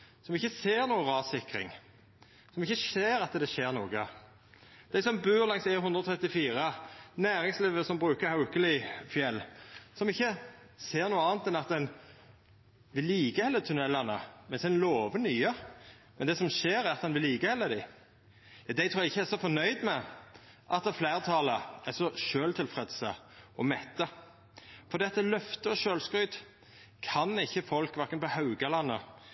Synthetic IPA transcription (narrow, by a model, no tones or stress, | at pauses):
sɔmɪçːəseːɾnuːəʁɑːsɪkɾɪ̰ŋ | sɔmɪçːəʃeːɾɑt̪əd̪ɛʃeːɾnuːɡə | d̪̥æɪsɔmbʉːɾlɑŋsæhʉnd̪ɾəɔt̪ʰɾɛt̪ːɪfiːɾənæːɾɪŋsliːʋəsɔmbɾʉːkəɾhɑʊkəlɪfjɛlːsɔmɪçːə | seːɾnuːəɑːnt̪ɛnɑt̪̚d̪ɛn | ʋɪlːiːɡəhɛlːət̪ʰʉnɛlːɑnə̰mɛnsɛnloːʋənyːə | mɛnd̪ɛːsɔmʃeːɾæɾɑt̪d̪ɛnʋɪlːiːɡəhɛlːəd̪ɪ | d̪æɪt̪ʰɾuːɛɪçːəæɾsɔfɔnœʏd̪mɛ | ʔɑt̪flæɪɾt̪ʰɑːləæsɔʃøːlt̪ʰɪlfɾɛd̪səʔɔmɛt̪ːə | fɔɾd̪iːɑt̪d̪ɛlœft̪əɔʃøːlskɾʉːd̪ | kʰɑnɪçːəfɔlkʋæɾkənpɔhɑʉɡəlɑnːə